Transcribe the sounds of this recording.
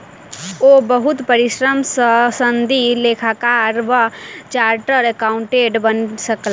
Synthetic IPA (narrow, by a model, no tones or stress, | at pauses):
obəɦut̪pəɾiʃɾəmsəsənd̪ʱilekʰakaɾʋət͡ʃaːɾʈəɾekaʊɳʈeɖbənsəkl